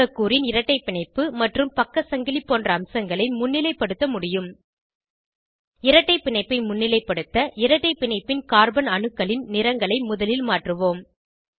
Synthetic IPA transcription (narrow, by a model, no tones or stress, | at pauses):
ɐkːuːɾɪnɪɾɐʈːɐɪpːɪɳɐɪpːɯmɐʈrɯmpɐkːɐsɐŋɡɪlipːoːndrɐːmsɐŋɡɐɭɐɪmʊnːɪlɐɪpːɐɽɯt̪ːɐmʊɽɪjɯm | ɪɾɐʈːɐɪpːɪɳɐɪpːɐɪmʊnːɪlɐɪpːɐɽɯt̪ːɐʔɪɾɐʈːɐɪpːɪɳɐɪpːɪnkaːɾbɐnɐɳɯkːɐɭɪnnɪɾɐŋɡɐɭɐɪmʊðɐlɪlmaːʈrɯʋoːm